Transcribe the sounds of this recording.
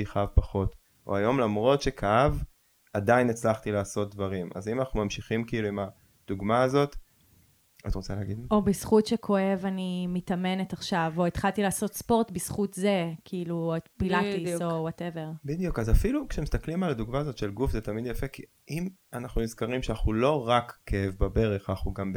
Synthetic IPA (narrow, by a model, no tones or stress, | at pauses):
iχaavpaχo̞t | o̰ajo̞mlamʁo̞tʃekʰaav | adainet͡slaχtilaːso̞t̚dvaʁimʔa̰zimanaχnumamʃiχimkiiluima | d̥uɡmaːzo̞t | atʁot͡saleːɡidʔobisχutʃekʰo̞e̞vanimitame̞netaχʃavo̞et̪χalt̪ilaːso̞tspo̞ʁtbisχutze̞kʰiiluetpilatisowateve̞ʁbid̪jukazafilukʃemist̪aklimaladuɡmaːzot̪ʃelɡufzet̪amidjafe̞ki | ʔim | anaχnumizkaʁimʃeanaχulo̞ʁakːeevbabe̞ʁeχaaχuɡamb